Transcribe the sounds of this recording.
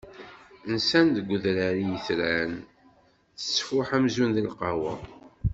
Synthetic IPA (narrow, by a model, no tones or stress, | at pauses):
ənsænd̪əɡʷːʊðɾæɾijəθɾæn | θə̥sːfʊħæmzunðilqɑwæ